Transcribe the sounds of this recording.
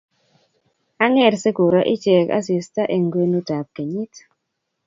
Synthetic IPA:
a˦ŋɛ˦˨rse˦ɡ̥o˨ɾɔ˦ʔɪ˦d͡ʒɛ˨ka̰˦si˨sta˦ʔe˨ŋɡwe˦nu˦da˨p̚ɡ̥e˨ɲi˦t

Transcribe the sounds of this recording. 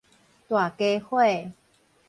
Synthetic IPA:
t̪wa˨˩ke˧˦hwe˥˨

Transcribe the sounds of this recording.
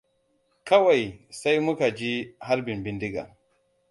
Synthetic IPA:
kɐ˦wa˨jsa˦jmʊ˦ka˨d͡ʒi˦ha˦ɾbɪ˨mbɪ˦ndi˦ɡa̰˨

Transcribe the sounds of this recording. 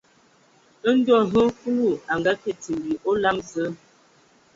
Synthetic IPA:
ə˦n̩˦dɔ˦˨ɦə˦ku˦u˦˨a˨ŋɡa˦kɛ˦˨ti˨mbi˨ʔo˦la˦mzə˦

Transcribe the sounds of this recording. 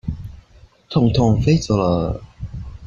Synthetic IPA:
t̪ʰʊ˨˩ŋt̪ʰʊ˨˩ŋfe˥t͡sɔ˨˩lə˨˩

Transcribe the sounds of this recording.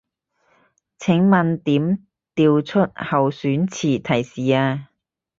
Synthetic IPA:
t͡sʰɪ˨˥ŋmɐ˨nt̪iː˨˥m | t̪iː˨˧wt͡sʰɵ˥t̚hɐ˨wsyː˨˥nt͡sʰiː˨˩t̪ʰɐ˨˩jsiː˨˩aː˧

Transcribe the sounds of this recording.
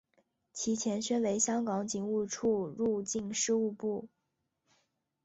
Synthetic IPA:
t͡ɕʰi˧˥t͡ɕʰjɛ˧˥nɕɥɛ˥nwe˧˥ɪɕjɑ˥ŋkɑ˧˥ŋt͡ɕi˨˩ŋu˥˧ʈ͡ʂʰu˥˧ɻu˥˧t͡ɕi˥˧nʂɻ̩˥˧u˥˧pu˥˩

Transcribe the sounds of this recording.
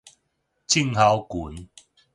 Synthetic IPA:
t͡ɕʰi˦˧ŋha˨˦wku˨˦n

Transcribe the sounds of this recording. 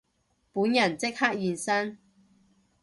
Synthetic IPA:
puː˨˥njɐ˨˩nt͡sɪ˥k̚ha˥k̚jiː˨˧nsɐ˥n

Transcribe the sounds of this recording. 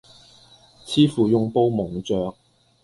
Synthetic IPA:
t͡sʰiː˥fuː˨jʊ˧ŋpo˧˥wmʊ˨˩ŋt͡sœː˨k̚

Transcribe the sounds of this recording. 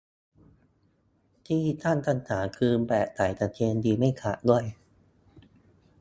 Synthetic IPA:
t̪ʰiː˥˩t̪ʰa˥˩nt̪ʰa˧˥˩nt̪ʰaː˩˦ŋkʰɯː˧mpɛː˨˩ʔ̚t̪aː˨˩˦jt̪a˨˩kʰeː˧ndiː˧ma˥˩jkʰa̰˨˩du˥˩əj

